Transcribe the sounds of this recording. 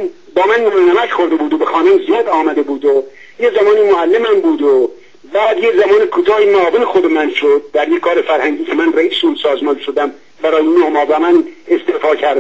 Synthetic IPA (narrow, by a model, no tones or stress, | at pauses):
n | bɒːmænːonæmæcxo̞ɾd̪ebuːd̪obexɒːnomzijɒːd̪ɒːmæd̪ebuːd̪o | jezæmɒːniːmoælːemhæmbuːd̪o | bæːd̪jezæmɒːnikʰot̪ʰɒːhimoɒːvenexob̪emænʃod̪̚d̪æɾjekʰːɒːɾefæɾhæŋɟiːcʲʰemænræiːsuːnsɒːzmɒːnʃod̪æm | bæɾɒːjenohmɒːbɒmænest̪efɒːcʰæɾ